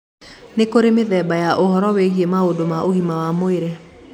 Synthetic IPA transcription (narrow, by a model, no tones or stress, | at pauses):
nekoɾemeðɛbajaʔohɔɾɔweɣiemaodomaʔohimawamoeɾe